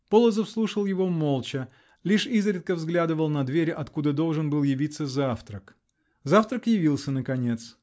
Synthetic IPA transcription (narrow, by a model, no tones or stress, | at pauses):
polˠəzəfslˠuʂəlˠjɪvo̞mo̞lˠt͡ɕə | lʲiʂizɾʲɪt̪̚kəvzɡlʲad̪ɨvəlˠnɐd̪vʲeɾʲʔɐt̪kud̪əd̪o̞lˠʐɨnbɨlˠjɪvʲit̪sːəzaft̪ɾək | zaft̪ɾəkjɪvʲilˠsʲənəkɐnʲe̞t̪s